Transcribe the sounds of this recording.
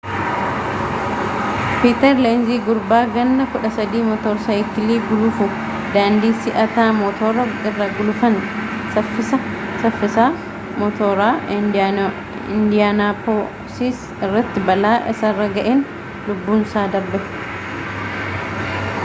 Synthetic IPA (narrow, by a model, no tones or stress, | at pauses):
piːt̪ɛɾlaːnziːɡʊɾbaːɡɐnd̪ɐkʊᶑɐsɐd̪iːmɔt̪ɔːɾsɐjt̪ɪliːɡʊlʊfʊ | d̪aːnd̪iːsɪʔɐt̪aːmɔt̪ʰoːɾɐɪrːɐɡʊlʊfɐnsɐfːɪsɐsɐfːɪsaː | mɔt̪oːɾaː | ɪnd̪ɪjaːnaːpoː | siːs | ɪrːɐt̪ːɪbɐlaːʔɪsɐrːɐɡɐʔeːn | lʊbːuːnsaːd̪ɐɾbɛ